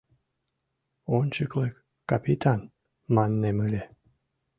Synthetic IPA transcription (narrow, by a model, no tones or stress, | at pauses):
onʲt͡ɕɨklek | kːapit̪ʰan | mɑnːemɨlʲe